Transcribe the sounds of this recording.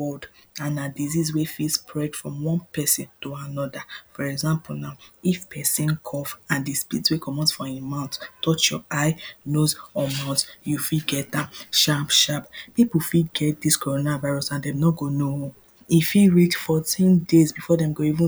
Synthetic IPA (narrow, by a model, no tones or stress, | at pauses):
bɔdãnadizizwefilspʰɹɛd̥fɹɔ̃mwɔ̃npɛsĩntoanɔdafɔɹɛɡzãmplnaʊifpʰɛsĩnkʰɔfãndispitswekʰɔmɔ̃nsfɔemãʊ̃nttɔt͡ʃjɔaɪnozɔmaɔtjufiɡɛt̚ãʃapʃappipl̩fiɡɛt̚diskoɹonavaɪɹɔsãndɛ̃mnɔɡonohu | ifiɹitfɔtʰĩndezbifɔdɛ̃mɡoivũ